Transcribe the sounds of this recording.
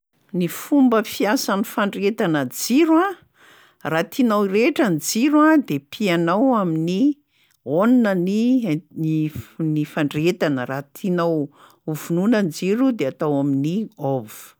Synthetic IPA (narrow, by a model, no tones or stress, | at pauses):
nifumbəfiasanifaɳɖ͡ʐet̪anəd͡ziɾwa | rat̪ʰinawireʈ͡ʂənd͡ziɾwad̪epʰianawamini | onunəni | inifaɳɖ͡ʐet̪anərat̪ʰinaw | uvununənd͡ziɾud̪eat̪awaminiovu̥